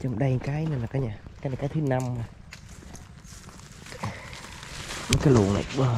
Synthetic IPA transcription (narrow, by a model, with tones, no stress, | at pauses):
t͡ɕɔ˧ŋ͡mɗa˧jkaː˨˦jna˨˧˩laː˨˩kaː˨˦ɲaː˨˩kaː˦na˨˩kaː˨˦jt̪ʰɨ˨˦na˧ma˨˩ | i˨˦kaː˨˦jlṵ˧˨ŋna̰˧˨jɓə˧˩